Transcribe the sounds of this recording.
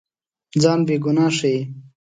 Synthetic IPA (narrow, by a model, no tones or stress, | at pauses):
d͡zaːnbeːɡunaːʂej